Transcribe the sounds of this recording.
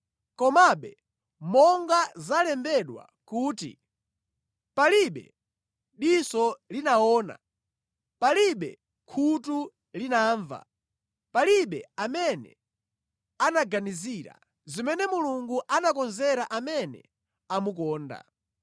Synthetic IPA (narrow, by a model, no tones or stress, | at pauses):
kɔmaɓɛ | mɔŋɡazalɛmbɛɗwa̰ | kuːtḭ | paliɓɛ̰ | ɗisɔlinaɔːna̰ | paliɓɛ̰ | kʰutu | linaːɱva̰ | paliɓɛamɛnɛ̰ | anaɡaniziɾa̰ | zimɛnɛmuluŋɡuʔanakɔnzɛɾaʔamɛnɛ̰ | amukɔːnda̰